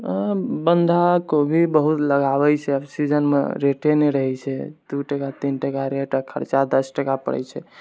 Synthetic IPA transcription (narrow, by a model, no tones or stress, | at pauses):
bənd̪ʱakobʱibəɦut̪ləɡabɛt͡ʃʰɛəbsid͡ʒənmḛɾeʈeneɾəɦɛt͡ʃʰɛd̪uʈəkat̪inʈəkaɾeʈəkʰəɾt͡ʃad̪əsʈəkapə̰ɽɛ̰jt͡ʃʰɛ